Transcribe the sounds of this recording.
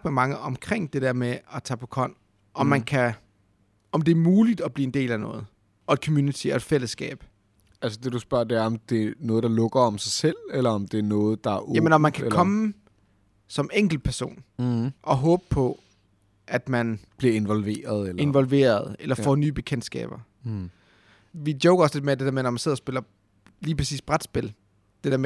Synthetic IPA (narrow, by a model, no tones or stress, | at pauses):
ɡ̥memɑ̈ŋəʔɒ̽mkʰʁeŋ̰d̥e̝d̥ɛɐmeɒ̽t͡sʰɑ̰ːpʰɒ̽kʰɒ̽n̰ | ʔɒ̽mmːænkʰæ | ɒ̽md̥e̝æɐmuːlid̥ɒb̥liːe̝nd̥e̝̰ːlænɔ̽ːð̞̩ˠ | ɒ̽ed̥̚kʰɒ̽mjuːnit͡sʰie̝d̥fel̰əsɡ̥ɛ̰ːb̥ | ælsəd̥e̝d̥usb̥ɶɐd̥e̝æɐɒ̽md̥e̝nɔ̽ːð̩ˠd̥ɑ̈lɔ̽ɡ̥ɐɒ̽msɑ̈ɪsel̰elɐɒmd̥e̝æɐnɔ̽ːð̞̩ˠd̥ɑ̈æɐjæmənɒmːænkʰækʰɒ̽mə | sɒ̽meŋ̰ɡ̥l̩̥̚pʰæɐso̝̰ːnʔɒ̽ɦɔ̽ːb̥əpʰɒ̽ | ʔæd̥mænb̥liɐe̝nʋɒlʋe̝̰ːɐð̩ˠee̝nʋɒ̽lʋe̝̰ːɐð̞̩ˠelɐfɒ̰ːnyːb̥e̝kʰen̰d̥sɡ̥ɛ̰ːb̥ɐ | ʋidjoʊɡɐɒ̽sd̥e̝̥emed̥e̝d̥eɐmenɒmænse̝ð̰ˠɐsb̥e̝lɐ | liːpʰʁɐsḭːsb̥ʁad̥sb̥e̝l | d̥e̝d̥eɐm